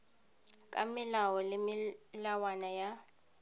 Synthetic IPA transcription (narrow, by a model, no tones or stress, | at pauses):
kʼamɪlawɔlemilawanaja